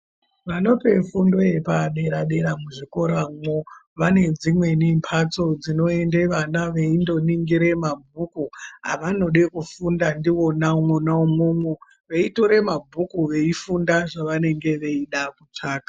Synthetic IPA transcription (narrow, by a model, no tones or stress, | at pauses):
ʋano̞pe̞fundo̞je̞paɗe̞ɾaɗe̞ɾamuʐiko̞ɾamwo | ʋane̞d͡zimwe̞nimpʰat͡so̞d͡zino̞e̞nde̞ʋanaʋe̞indo̞niŋɡiɾe̞mabʱukua̰ʋano̞ɗekufundandiwo̞naumonaumomwo | ʋeito̞ɾe̞mabʱukuʋe̞ifundaʐaʋane̞ŋɡe̞ʋe̞iɗakut͡ʂaːkḁ